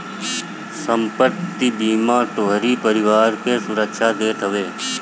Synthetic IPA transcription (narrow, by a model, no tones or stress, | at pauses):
səmpəɾt̪ibiːmãːʈ̪oːɦəɾipəɾɪʋaːɾkesʊɾəkʃʰad̪eːt̪ɦəʋeː